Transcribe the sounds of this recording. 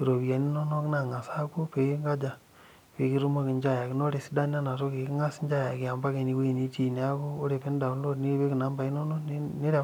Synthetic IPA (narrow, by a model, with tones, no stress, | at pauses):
i˨ɾo˨βja˨ni˦nɔ˦no˦kna˨ŋa˨sa˦ko˦pe˨ki˦ŋɡa˦d͡ʒa˨ | pe˨ki˦ɾu˦ma˦ki˨nd͡ʒa˦ja˨kɪ˦no˦ɾe˨si˦da˦n˦a˦na˨to˦ke˨ki˦ŋa˦sɲd͡ʒa˦ja˨kɪ˨a˨mba˦ke˨ni˨we˦i˨ni˦t͡ʃi˨n˦a˦ko˦o˦ɾe˨pe˦n˦da˨˦nlo˦ni˦ɾpe˦ki˨na˨˦mba˨i˦nɔ˦nɔ˦n˦ne˦ɾa˨